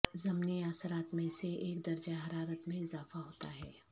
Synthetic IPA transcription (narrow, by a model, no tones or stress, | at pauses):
zɐmniaːsəɾaːt̪mẽseeːk̚d̪ɐɾd͡ʒaɦɐɾaːɾət̪mẽɪzaːfaɦoːt̪a̰ɦɛː